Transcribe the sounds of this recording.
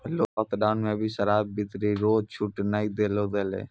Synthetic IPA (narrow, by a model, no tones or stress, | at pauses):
əloɔt̪ɖaːʊnmẽbʱiʃəɾaːbbɪt̪ɾiɾoːt͡ʃʰʊʈnaːid̪eːlod̪eːlḛː